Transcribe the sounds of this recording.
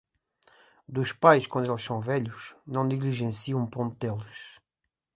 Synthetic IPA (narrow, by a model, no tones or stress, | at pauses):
d̪uʃpajʃkwɐ̃nd̪elʃsɐ̃w̃vɛʎuʃnɐ̃w̃niɣliʒẽsiɐ̃w̃põnt̪̚elˠuʃ